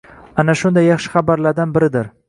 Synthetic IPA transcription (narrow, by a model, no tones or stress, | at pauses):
anaʃʊnd̪ajːɑχʃɪ̥χabaɾlaɾd̪anbɪɾɪd̪ɪɾ